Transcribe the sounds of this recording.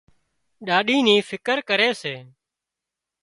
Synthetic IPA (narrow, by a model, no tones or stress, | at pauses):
ɗaːɗiːniːfʰɪkəɾkəɾeːseː